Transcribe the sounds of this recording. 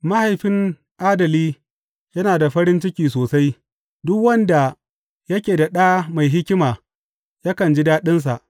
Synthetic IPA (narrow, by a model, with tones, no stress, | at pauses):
ma˦ha˨jɸɪ˦ŋ | ʔaː˦dɐ˨liː˦ | jɐ˦naː˨da˨ɸɐ˦ɾɪ˦nt͡ʃɪ˦kʲiː˨soː˨sa˦j | dʊ˦kwɐ˦nda˨ | jɐ˦kʲeː˨da˨ɗaː˦ma˨jɦɪ˦kʲɪ˦maː˨ | ja˦kɐ˨nd͡ʒi˦daː˦ɗɪ˦ns̬a˨ʔ